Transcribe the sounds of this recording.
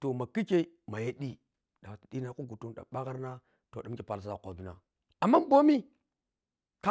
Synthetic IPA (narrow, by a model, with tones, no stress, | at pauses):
to˨ma˨ki˦ke˦ | ma˨je˦ɗi˦ | ɗa˨ti˨ɗi˦na˦ku˦ɡu˨tu˦nɗa̰˨ɓa˦ɣa˦ɾna˦ | to˨ɗa˨mki˨pa˨lsza˨kʷa˨bi˨˦na̰˨ | a˨mːa˦bo˦mi˦ | ka˦